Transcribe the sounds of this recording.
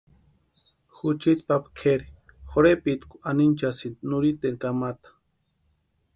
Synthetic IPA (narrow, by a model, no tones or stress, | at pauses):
xut͡ʃit̪papkʰeɾi̥ | xoɾepit̪kuanint͡ʃasit̪nuɾit̪eŋkamat̪ḁ